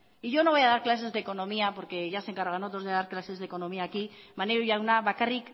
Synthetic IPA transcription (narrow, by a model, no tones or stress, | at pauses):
iʝo̞no̞βo̞jaðaɾklas̬e̞zðe̞ko̞nõ̞miapo̞ɾke̞ʝaseŋkaɾɣanot̪ɾoðe̞ðaɾklase̞zðe̞ko̞no̞miaːki | maneɾuʝaunaβakarik